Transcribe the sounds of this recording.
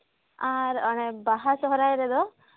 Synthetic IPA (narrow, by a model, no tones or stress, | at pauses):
aɾɔɽ̃ɛbaɦasɔɦɔɾajɾɛd̪ɔ